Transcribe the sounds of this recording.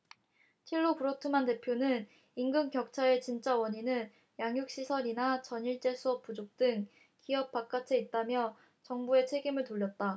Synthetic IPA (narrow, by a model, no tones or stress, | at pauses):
t͡ɕʰiɭːopuɾʌtʰɯmande̞pʰjonɯn | iŋɡɯŋkjʌk̚t͡ɕʰaet͡ɕint͡ɕ͈awʌɲinɯn | jaŋjuk̚ɕ͈isʰʌɾinat͡ɕʌɲiɭt͡ɕ͈e̞sʰuʌp̚p͈ud͡ʑok̚t͈ɯŋ | kiʌp̚p͈ak͈̚at͡ɕʰe̞it̚t͈amjʌ | t͡ɕʌŋbue̞t͡ɕʰe̞ɡimɯɭtoʎːʌt̚t͈a